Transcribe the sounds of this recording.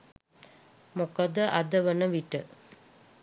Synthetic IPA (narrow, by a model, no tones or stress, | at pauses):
mokəd̪əʔad̪əʋənəʋiʈə